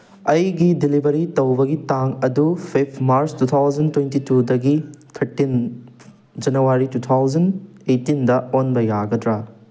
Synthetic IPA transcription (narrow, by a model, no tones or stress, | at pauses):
ɐjɡidilibʱɐɾitɐwbɐɡitaŋɐdupʰipʰmaɾstut̪ʰawd͡ʒɐntwentitudɐɡit̪ʰɐɾtin | d͡ʒɐnɐwaɾitut̪ʰawd͡ʒɐn | ejtːindɐonbɐjaɡɐdɾɐ